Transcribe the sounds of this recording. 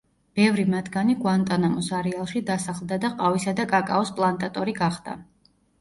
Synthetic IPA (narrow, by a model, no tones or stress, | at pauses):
b̥ɛvɾimad̪ɡaniɡwant̪ʼanamɔsaɾialˠʃid̪asaχlˠd̪ad̪aqʼavisad̪akʼakʼa̰ɔspʼlˠant̪ʼat̪ʼɔɾiɡaχd̪̥a̰